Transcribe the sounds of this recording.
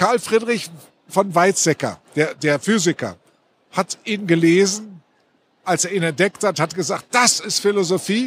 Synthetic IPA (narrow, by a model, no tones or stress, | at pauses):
kaɐlfʁ̥iːdʁɪç | fɔnvaɪt͡sɛkɐ̰d̥eːɐdeːɐfyːzɪkɐ̰ | hatʔiːnɡəleːzn̩ | ʔalseːɐiːnɛd̥ɛkthathatɡ̥əzaːkt̚d̥asɪstfɪlozofiː